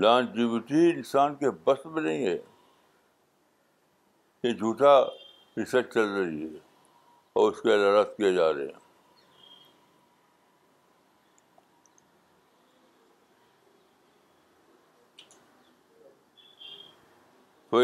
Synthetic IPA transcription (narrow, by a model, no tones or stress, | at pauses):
lãːnd͡ʒɪbɪʈiɪnsaːnkebɐst̪mẽnɐɦĩɦɛː | jed͡ʒʱuːʈa | ɾɪsəɾt͡ʃt͡ʃɐlɾɐɦiɦɛ | ɔːʊskeɪlaɾat̪kijed͡ʒaːɾḛɦɛ̰̃ | t̪oː